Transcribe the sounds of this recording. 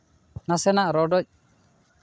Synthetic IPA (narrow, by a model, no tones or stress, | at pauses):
nasɛnaʔɾɔɖɔc̚